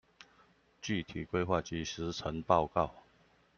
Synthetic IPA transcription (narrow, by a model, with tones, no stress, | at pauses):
t͡ɕy˥˨t̪ʰi˨˩kwe˥ɪxwa˥˨˩t͡ɕi˥ʂɻ̩˧˥t͡sʰə˧˥ŋpɑ˥˧ʊkɑ˥˨ʊ